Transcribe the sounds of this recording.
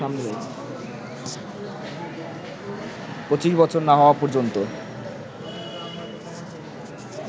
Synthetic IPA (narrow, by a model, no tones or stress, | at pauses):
amnele | pɾot͡ɕiʃbɔt͡ɕʰoɾnaɦɔoapɔɾd͡ʑont̪o